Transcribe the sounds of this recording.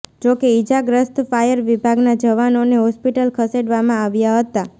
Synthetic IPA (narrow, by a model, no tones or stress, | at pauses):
d͡ʒokeid͡ʒaɡɾəst̪fajəɾʋibʱaɡnad͡ʒəʋanoneɦɔspiʈəlkʰəseɽʋamãaʋjaɦət̪a